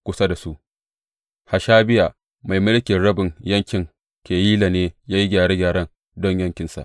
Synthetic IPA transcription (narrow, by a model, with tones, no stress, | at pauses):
kʷʊ˦sa˦da˨su˦ʔ | ha˨ʃaː˦bɪ˦ja˨ | ma˨jmʊ˦lkʲɪ˨nɽɐ˦bɪ˨ŋjɐ˦ŋkʲɪ˨ŋ | kʲeː˨jiː˦la˨neː˦jaː˦ji˦ɡʲaː˨ɾe˦ɡʲaː˨ɾɐ˦n | dɔ˦ɲjɐ˦ŋkʲɪ˨nsa̰˨ʔ